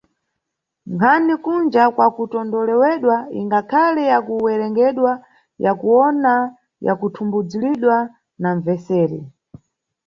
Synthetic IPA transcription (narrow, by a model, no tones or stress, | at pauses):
ŋkʰanikund͡ʒakwakutɔndɔlɛwɛɗwaḭŋɡakʰalɛjakuwɛɾɛŋɡɛɗwa | jakuwɔna | ja̰kutʰumbud͡ziliɗwa | naɱvɛsɛːɾɛ